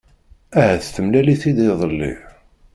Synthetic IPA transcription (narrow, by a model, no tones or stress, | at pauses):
æhæθθəmlæliθid̪iðˤəlːḭ